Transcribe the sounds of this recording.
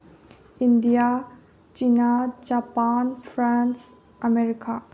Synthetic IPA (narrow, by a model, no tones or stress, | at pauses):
indija | t͡ʃinad͡ʒapanpʰɾans | ɐmeɾika